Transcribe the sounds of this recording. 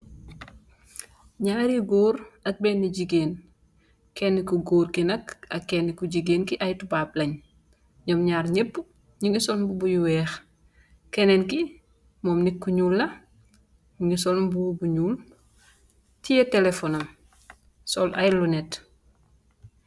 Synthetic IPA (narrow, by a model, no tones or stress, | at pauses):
ɲaːɾiɡoːɾɐk̚bɛnːiɟiɡeːn | kɛnːikuɡoːɾkinɐkɐkːɛnːikuɟiɡeːnkiʔɐjtubaːp̚lɐɲ | ɲɔmɲaːɾɲepː | ɲiŋɡisɔlmbubujuwɛːx | kɛnɛnki | mɔːmnikːuɲuːlːɐ | ɲiŋisɔlmbubuɲuːl | tijɐtɛlefɔnɐm | sɔlʔɐjlunɛt